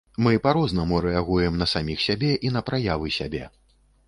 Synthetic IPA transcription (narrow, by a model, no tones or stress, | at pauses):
mɨpaɾɔznɐmuɾɛaɣujɛmnɐsamʲixsʲabʲɛʔinɐpɾajavɨsʲabʲɛ̰